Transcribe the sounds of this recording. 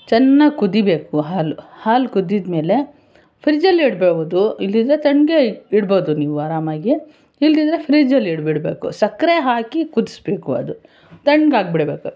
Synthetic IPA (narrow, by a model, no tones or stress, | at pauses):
t͡ʃɐnːaɡkud̪ibe̞ːkuɦaːluhaːlkud̪id̪me̞ːle̞ | pʰɾid͡ʒɐlːiɽbeːʋoːd̪uilːid̪ɾet̪ɐɳɡeiɽboːd̪uniːʋuaːɾaːmaːɡi | ilːid̪ɾe̞pʰɾid͡ʒɐlːiɽbiɽbeːkṵsɐkɾeɦaːkikud̪i̥sbeːkuɐ̰d̪u | t̪ɐɳɡaːɡ̚biɽbeːku